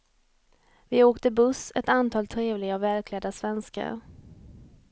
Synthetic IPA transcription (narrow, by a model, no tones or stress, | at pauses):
vɪoːkt̪əbɵsɛt̪ant̪ʰɑːlt̪ʰɾeːvlɪɡaɔvɛlkʰlɛd̪asvɛnska̰ɾ